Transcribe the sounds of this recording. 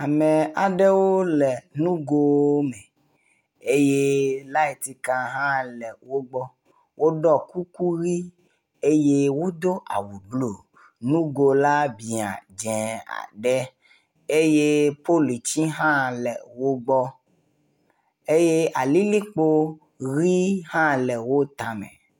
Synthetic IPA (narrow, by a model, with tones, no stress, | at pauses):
a˨mɛ̃˨a˨ɖɛ˦wo˦lɛ˨nũ˦ɡo˦mɛ˨ | e˦je˦la˦i˨t̪i˨kã˨ɦã˦lɛ˨wo˦ɡ͡bɔ˦ | wʔo˦ɖɔ˦˨ku˦ku˦ɾi˦ | e˦je˦wo˦d̪o˦ʔa̰˨wu˨blo˨ | nũ˦ɡo˨la˦bi˨a̰˨d͡ʒɛ̃˨a̰˨ɖɛ˦ | e˦je˦po˦li˨t͡ʃi˦ɦã˦lɛ˨wo˦ɡ͡bɔ˦ | e˦je˦a˨li˦li˦k͡po˦ | ɣi˦hã˦lɛ˨wo˦t̪a˨mɛ̰̃˨